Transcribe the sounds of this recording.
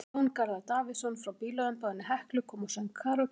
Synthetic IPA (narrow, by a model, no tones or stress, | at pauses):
wnkaɾðat̪aːvɪsɔnfɾawpiːlɔðʏmpaðɪnːɪɦɛhklʏkʰɔːmɔsankʰaɾɔ